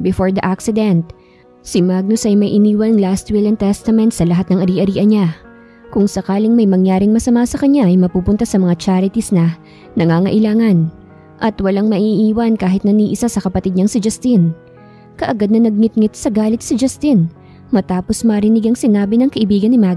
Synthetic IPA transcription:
bɪfoɹd̪ɐʔaksɪd̪ɛnt̪̚ | sɪmaɡ̚nosʔɐjmɐjʔɪniːwɐnɐŋlast̪wɪlɐnt̪ɛst̪ɐmɛnt̪sɐlɐɦat̪nɐŋʔɐɾiːʔɐɾiːʔɐnɲa | kʊŋsɐkaːlɪŋmɐjmɐŋjaːɾɪŋmɐsɐmasɐkɐɲaʔɐjmɐpuːpʊnt̪asɐmɐŋat͡ʃaɾɪt̪isnɐ | nɐŋaːŋɐʔɪlaːŋɐn | ʔɐt̪wɐlaŋmɐʔiʔiːwɐnkaːɦɪt̪nɐniːʔɪsasɐkɐpɐt̪id̪̚ɲɐŋsɪd͡ʒɐst̪in | kɐʔɐɡad̪̚nɐnɐɡ̚ŋɪt̪̚ŋɪt̪̚sɐɡaːlɪt̪̚sɪd͡ʒɐst̪in | mɐt̪aːposmɐɾɪnɪɡɐŋsɪnaːbɪnɐŋkɐʔɪbiːɡɐnɪmaɡ

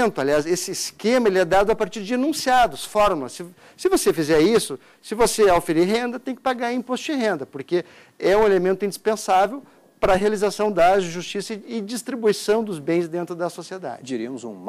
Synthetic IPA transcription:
nt̪ʊaliasesɪːskẽmɐelɪɛd̪ad̪ʊapaɾt͡ʃiɾd͡ʒɪanũsiad̪ʊsfɔɾmʊlɐsɪː | ɪvosefizɛɾisʊ | sɪvoseawfeɾiɾɦẽnd̪ɐt̪ẽj̃kɪ̥paɡaɾẽpost͡ʃʊɪɦẽnd̪ɐpoɾke | ɛũelemẽnt̪ʊĩd͡ʒ̪ispẽsavew | pɾɐɦealizasɐ̃w̃d̪ɐʒʒust͡ʃisɐɪd͡ʒist̪ɾibuisɐ̃w̃d̪ʊzbẽj̃zd̪ẽnt̪ɾʊd̪ɐsosied̪a̰d͡ʒɪd͡ʒiɾiɐmʊzṵ̃m

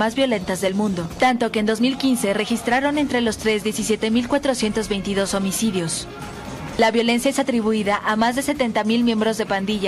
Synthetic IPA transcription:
azβjo̞le̞nt̪azðe̞lmũnd̪o̞t̪ant̪o̞ke̞ːnd̪o̞zmilkinse̞re̞xist̪ɾaɾo̞ne̞nt̪ɾe̞lo̞st̪ɾe̞zðje̞sisje̞t̪e̞milkwat̪ɾo̞sje̞nt̪o̞zβe̞jnt̪iðo̞so̞misiðjo̞s | laβjo̞le̞nsjaesat̪ɾiβuiðaʔamazðe̞se̞t̪e̞nt̪amilmje̞mbɾo̞zðe̞pand̪iʝa

